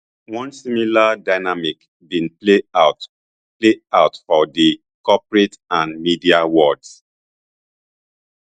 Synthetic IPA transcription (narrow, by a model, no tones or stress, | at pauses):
wɔ̃nsimiladaɪnamik | bĩnpleat | pleaʊtfɔdi | kɔpɹetãnmidiawɔds